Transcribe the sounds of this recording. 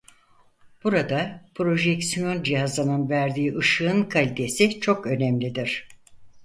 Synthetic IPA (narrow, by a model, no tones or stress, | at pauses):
b̥uɾad̪apʰɾo̞ʒɛksijo̞nd͡ʒiɦazlˠanɯnvæɾd̪iːʔɯʃɯɯnkʰalʲit̪ʰe̞sit͡ʃʰo̞kø̞nɛmlʲid̪iɾ̥